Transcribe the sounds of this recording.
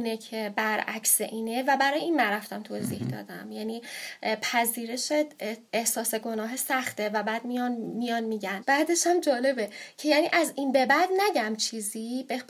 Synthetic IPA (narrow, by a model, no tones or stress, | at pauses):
necʰebæɾæ̰cseʔiːnevæbæɾɒːjeiːnmæɾæft̪æmt̪ʰoziːhd̪ɒ̰ːd̪æ̰mjæniːpʰæziːɾe̞ʃeehsɒːse̞ɡo̞nɒːɦesæxt̪ʰevæbæːd̪mijɒnmijɒnmiːɟænb̥æːd̪e̞ʃæmd͡ʒɒːle̞be̞cʰe̞jæːniːʔæzinbe̞bæd̪næɟæmt͡ʃʰiːziːbe